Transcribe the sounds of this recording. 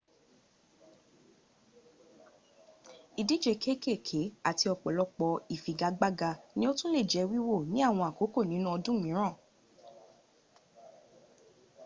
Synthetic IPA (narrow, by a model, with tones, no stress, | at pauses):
i˨di˨˦d͡ʒe˨˧kʰe˦ke˦˨kʰe˨˦a˦˨ti˧ɔ˧k͡pɔ˨lɔ˧k͡pɔ˧i˨fi˨ɡa˧ɡ͡ba˦ɡa˧nĩ˦o˦tũ˦le˦˨d͡ʒɛ˨˧˦wi˦wo˦˨nĩ˨˦a˦˨w̃ɔ̃˧a˨ko˨˦ko˦˨nĩ˨˦nũ˦ɔ˧dũ˦mĩ˨˦ɾ̃ã˦˨